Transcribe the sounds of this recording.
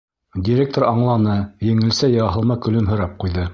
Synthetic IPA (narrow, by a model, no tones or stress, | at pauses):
dʲiɾʲek̚t̪oɾɑɴlˠɑnɤjɘ̆ŋɘ̆lsæjɑɑɦɤ̆lˠmɑkɵ̆lɵmɦɵ̆ɾɑp̚qujðɤ